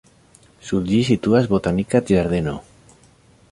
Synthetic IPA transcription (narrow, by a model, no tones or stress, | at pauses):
suðdisit̪uazβot̪anikat̪ʒaɾðeno